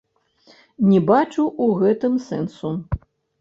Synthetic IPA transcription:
nʲɛbat͡ʂuʔuɣɛt̪ɨmsɛ̰nsu

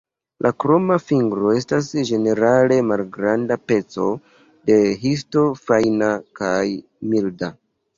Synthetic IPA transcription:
lʔakɾo̞mafiŋɡɾoe̞stasd͡ʒe̞ne̞ɾale̞malɡɾandape̞t͡so̞̰ | de̞ɦis̬to̞fajnakaj | milda

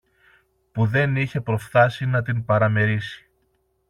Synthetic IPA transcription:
puðe̞niçe̞pɾo̞fθɐsinɐt̪inpɐɾɐme̞ɾisi̥

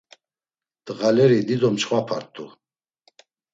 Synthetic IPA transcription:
d̪̥ɣalɛɾid̪id̪ɔmt͡ʃχwapʰaɾt̪ʰʼu

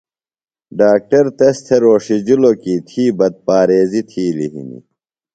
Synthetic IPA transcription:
ɖaːk̚ʈɐɾt̪est̪ʰeɾoːʂid͡ʑilokiːt̪ʰiːbɐd̪̚paːɾeːzit̪ʰiːlḭɦḭnḭ

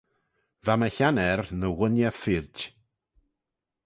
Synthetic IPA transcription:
vaməçanɛrnəwənjafɪɾd

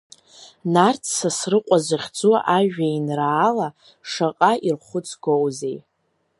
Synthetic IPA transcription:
nart͡sʰsasrɨqʷʼazaχʲd͡zuaʔaʒᶣainraːla | ʂaqʼairχʷʊt͡sʰɡowzej

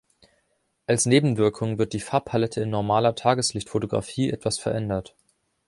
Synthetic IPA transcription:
ʔalsneːbm̩vɪɐkʰʊŋvɪɐt̚d̥iːfaːɐpʰalɛtʰəɪnːɔɐmaːlɐtʰaːɡəslɪçtfotoɡʁa̰fiːʔɛtv̥asfɛɐʔɛndɐt

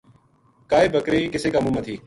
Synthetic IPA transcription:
kaːeːbʱəkɾeːiːkɪseːkaːmũːmət̪ʰiː

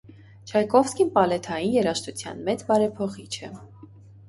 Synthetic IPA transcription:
t͡ʃʰɑjkɔfskinpɑlɛt̪ʰɑjinjɛɾɑʃt̪ʰut͡sʰjɑ̰nmɛt͡sbɑɾɛpʰɔχit͡ʃʰɛ

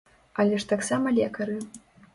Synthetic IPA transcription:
ɐlʲɛʂt̪aksamɐlʲɛkɐɾɨ

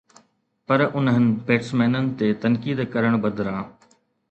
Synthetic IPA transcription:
pɐɾʔʊnəɦənɪ̆beːʈsmɛːnənɪ̆t̪et̪ɐnkiːd̪kɐɾəɽ̃bɐd̪ʱɾãː

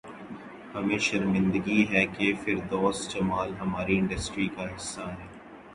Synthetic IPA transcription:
hɐmẽʃɐɾmɪ̃nd̪əɡiɦɛkefɪɾd̪oːsd͡ʒɐmaːlɦɐmaːɾiɪ̃ɳɖɐsʈɾikaɦɪsːaɦɛː

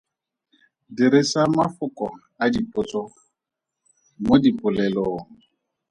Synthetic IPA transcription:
diɾɪsamafʊkʼɔ | adipʼʊt͡sʼɔ | modipʼʊlɛloːŋ̩

